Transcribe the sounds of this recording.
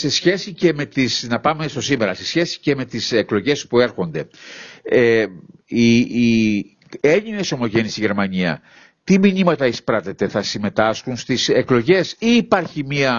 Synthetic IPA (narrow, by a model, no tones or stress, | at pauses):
se̞sçe̞sice̞me̞t̪isnɐpɐme̞st̪o̞sime̞ɾɐse̞sçe̞si̥ce̞me̞t̪iseklo̞ʝe̞spue̞ɾxo̞nd̪e̞ | e | i | e̞ɲine̞so̞mo̞ʝe̞nisiʝe̞ɾmɐɲiɐ̰ | t̪imiɲimɐt̪ɐispɾɐt̪e̞t̪e̞θɐsime̞t̪ɐsxunst̪ise̞klo̞ʝe̞siːpɐɾçimiɐ